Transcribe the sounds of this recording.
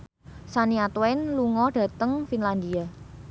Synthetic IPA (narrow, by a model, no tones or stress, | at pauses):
saniat̪wɛnluŋɔɖ̥ä̤t̪əŋfinland̪ia